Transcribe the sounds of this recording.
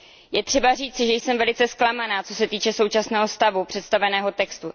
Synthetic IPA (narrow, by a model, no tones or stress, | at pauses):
jɛt̪r̥ɛbariːt͡sɪʒɛjsɛmvɛlɪt͡sɛsklamanaːt͡so̞sɛt̪iːt͡ʃɛso̞wt͡ʃasnɛːɦo̞st̪avupr̥ɛt̪st̪avɛnɛːɦo̞t̪ɛkst̪u